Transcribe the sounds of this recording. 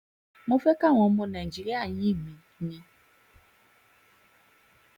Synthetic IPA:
mo˦fe˦ka˦˨w̃ɔ̃˨˦mo˧nɛ˨d͡ʒi˨ɾi˦a˦˨jĩ˦˨mĩ˨˦ɲɛ̃˧

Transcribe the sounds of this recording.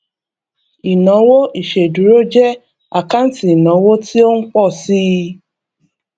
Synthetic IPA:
i˨nɔ̃˨˦wo˦ʔi˨ʃe˨du˨˦ɾo˦d͡ʒɛ˦ | a˨ka˦n˦ti˨i˨nɔ̃˨˦wo˦ti˦o˦ŋ̩˦k͡pɔ˦˨si˦

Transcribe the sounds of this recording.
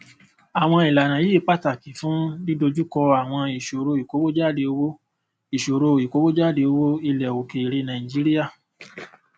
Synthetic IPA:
a˨w̃ɔ̃˧i˨la˨nã˨ji˦˨k͡pa˦ta˨ki˨fũ˨˦di˦do˧d͡ʒu˦kɔ˧a˨w̃ɔ̃˧i˨ʃo˨ɾo˧i˨ko˨˦wo˦d͡ʒa˦˨de˧o˧wo˦ | i˨ʃo˨ɾo˧˨i˨ko˦wo˦d͡ʒa˦˨de˧o˧wo˦i˧lɛ˨o˨ke˨ɾe˧nã˨ĩ˨d͡ʒi˨˦ɾi˦ja˦˨

